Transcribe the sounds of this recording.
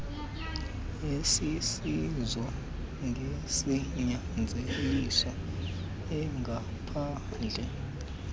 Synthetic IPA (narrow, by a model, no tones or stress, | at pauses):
esisizwɔ | ŋɡʱesiɲand͡zʱelisa | ɛŋɡʱa | pʰa | nd͡ɮʱɛ